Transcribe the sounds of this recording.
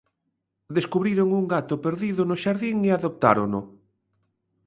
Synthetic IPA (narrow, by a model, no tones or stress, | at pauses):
d̪eskuβɾiɾoŋuŋɡat̪ʊpeɾðiðʊnʊʃaɾðiŋeaðop̚t̪a̰ɾonʊ